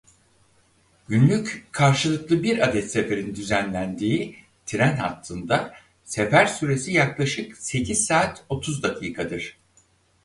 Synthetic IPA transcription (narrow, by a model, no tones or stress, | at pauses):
ɟ̥ynlʲyckʰaɾʃɯlˠɯklˠɯbiɾad̪ɛt̪se̞fe̞ɾind̪yzænlʲænd̪iː | t̪ʰɾænha̰t̪ʰːɯnd̪a | sefæɾsyɾe̞sijaklˠaʃɯkse̞cʰiz̥saːt̪o̞t̪ʰuzd̪akʰiːkʰad̪ɯɾ̥